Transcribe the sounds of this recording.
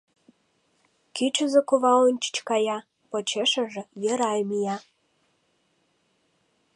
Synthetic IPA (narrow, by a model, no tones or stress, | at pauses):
kit͡ɕə̆zĕkuβɑlə̆nt͡ɕi̥t͡ɕkɑjɑ | pŏt͡ɕeʃĕʒĕjə̆ɾɑjmijɑ